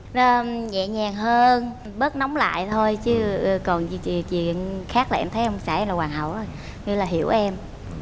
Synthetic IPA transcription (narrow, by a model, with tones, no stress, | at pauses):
əː˨˩ɲɛ̰˧˨ɲaː˨˩ŋhəː˧n | ɓəː˦˥t̚nɔ˨˦wŋ͡mla̰ː˧˨jt̪ʰo˧jt͡ɕɨ˨˦˨kɔ˨˩n˧t͡ɕt͡ɕḭ˧˨ə˨ənxaː˦˥k̚laː˨˩ʔɛ˧mt̪ʰə˨˦˧saː˧˩ʔɛ˧mlaː˨˩waː˨˩nɦə̰˨˩wʔə˧j | ŋɨ̰˧˦laː˨˩ɦi˧˩əwʔɛ˧m